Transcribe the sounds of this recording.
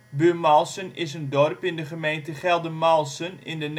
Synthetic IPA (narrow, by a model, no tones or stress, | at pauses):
bømɑlˠsənɪsəndɔrpɪndəχəmejntəχɛlˠdəmɑlˠsənɪndən